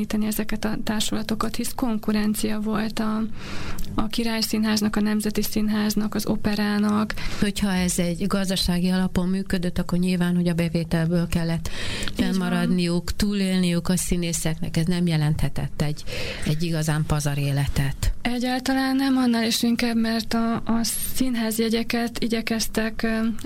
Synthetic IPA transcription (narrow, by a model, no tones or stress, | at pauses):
iːt̪ɛniɛzɛkɛt̪ɒt̪aːrʃolɒt̪o̞kɒt̪hisko̞ŋkuɾɛnt̪sijɒvo̞lt̪ɒː | kiɾaːjsinɦaːznɒkɒnɛmzɛt̪isinɦaːznɒkɒzopɛɾaːnɒkho̞cʰhɒɛzɛɟɡɒzd̪ɒʃaːɡiɒlɒpo̞mːyːkød̪øt̪ːɒkːo̞rɲilvaːnho̞ɟɒbɛveːt̪ɛlbøːlkɛlːɛt̪ːfɛlmɒɾɒd̪nijukt̪uːleːlnijukɒsineːsɛknɛ̰kɛznɛmjɛlɛnt̪hɛt̪ɛ̰t̪ːɛɟːɛɟːiɡɒzaːmpɒzɒɾeːlɛt̪ɛt̪ɛɟːaːlt̪ɒlaːnːɛmɒnːaliʃiŋkaːbmɛrt̪ɒːsinɦaːzjɛɟɛkɛt̪iɟɛkɛst̪ɛk